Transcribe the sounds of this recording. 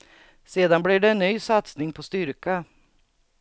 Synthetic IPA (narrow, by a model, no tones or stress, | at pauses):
seːd̪anbliɖɛːnːyːsat̪snɪŋpʰɔst̪ʏɾka